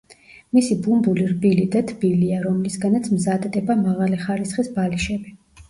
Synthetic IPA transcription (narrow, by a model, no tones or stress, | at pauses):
misibumbuliɾbilid̪at̪ʰb̥iliaɾɔmlisɡanat̪sʰmzad̪d̪ɛbamaʁaliχaɾisχisbaliʃɛbi